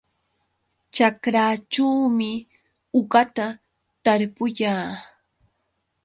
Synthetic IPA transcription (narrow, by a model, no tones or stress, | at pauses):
t͡ʃakɾaːt͡ʃuːmɪ | ʊɢat̪a | t̪aɾpʊjaː